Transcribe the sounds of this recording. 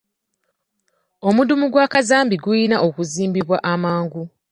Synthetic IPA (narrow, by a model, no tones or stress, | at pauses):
o̞mudumuɡwakazaːmbiɡuinaʔokuziːmbiβwaʔamaːŋɡu